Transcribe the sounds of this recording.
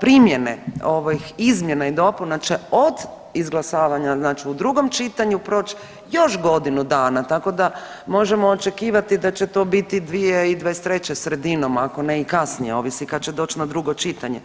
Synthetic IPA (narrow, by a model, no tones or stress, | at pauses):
pɾimje̞nḛoʋojixizmje̞naid̪o̞punat͡ʃe̞od̪ | izɡlˠasaːʋaɲaznaːt͡ʃiud̪ɾuɡo̞mt͡ʃit̪aɲupɾo̞ːt͡ʃ | jo̞ʃɡo̞d̪inud̪aːnat̪ako̞d̪a | mo̞ʒemoːt͡ʃe̞kiːʋat̪id̪at͡ɕe̞t̪o̞ːbit̪id̪ʋijeid̪ʋaest̪ɾe̞t͡ɕesɾe̞d̪inomako̞neikasnijeo̞ʋislikad̪̚t͡ɕed̪o̞ːt͡ʃnad̪ɾuɡo̞t͡ʃit̪aɲe̞